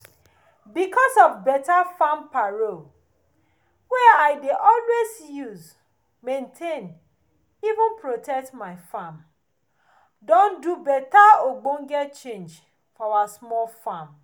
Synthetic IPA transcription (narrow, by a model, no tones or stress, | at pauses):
bikʰɔsɔvbɛtafãmpaɹo | wɛaɪdeʔɔlwezjuz | mẽntʰẽn | ivʊ̃npɹotʰɛk̚tmaɪfãm | dõndubɛtaoɡ͡bõŋɡɛt͡ʃẽnd͡ʒ | fɔawasmɔlfãm